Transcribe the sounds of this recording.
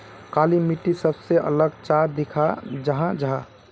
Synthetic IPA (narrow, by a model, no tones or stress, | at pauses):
kalimiʈisəbseʔə̰ləɡt͡ʃad̪ikʰad͡ʒəɦãd͡ʒəɦã